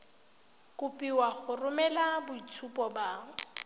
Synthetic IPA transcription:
kʼʊpʼiwaχʊrʊmɛlabʊit͡sʰupʼɔbaːŋ̩

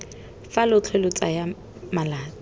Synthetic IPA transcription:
falʊt͡ɬʰɛlʊt͡sʼa̰ja | malaːt͡s

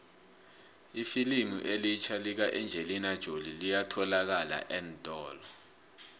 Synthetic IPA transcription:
ifilimṵʔelit͡ʃʰalik̬aʔɛnd͡ʒʱelinad̥ʒ̥ʱolilijatʰɔlak̬ala̰ʔɛntʼɔːlɔ

